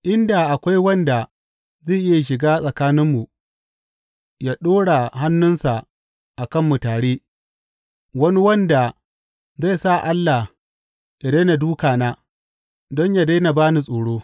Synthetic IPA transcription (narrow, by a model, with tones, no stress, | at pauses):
ʔɪ˦nda˨ʔa˨kʷa˦jwɐ˦nda˨ | za˦˨ʔɪ˦ja˨ʃ̬ɪ˨ɡaː˦sʼɐ˨kaː˦nɪ˦mːu˨ | jaː˦ɗoː˦ɽa˨ɦa˦nːʊ˦nsa˨ʔ | ʔa˨kɐ˦˨mːu˨taː˨ɽeː˦ | wɐ˦ni˦wɐ˦nda˨ | za˦˨sa˦˨ʔa˦lːa˨ | ja˨daː˦na˨duː˦kaː˨naː˦ | dɔ˦ɲja˨da˦na˨baː˦ni˨sʼoː˨ɽoː˦